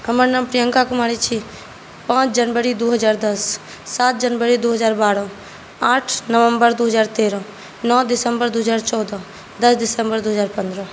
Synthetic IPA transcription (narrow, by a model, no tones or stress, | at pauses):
ɦəməɾnampɾɪjə̃ŋkakʊmaːɽit͡ʃʰi | pãːt͡ʃʰd͡ʒənbəɾid̪oɦəzaːɾd̪əsː | aːt̪̚d͡ʒənbəɾid̪oːɦəzaːɾbaːɾɔ̃ | aːʈʰnəʋə̃mbəɾd̪oːɦəzaːɾt̪eːɾɔ̃ː | nɔːd̪ɪsəmbəɾd̪oːɦəzaːɾt͡ʃɔːd̪ɔ̃ | d̪əsd̪ɪsəmbəɾd̪oːɦəzaːɾpə̃nd̪ɾɔ̃ː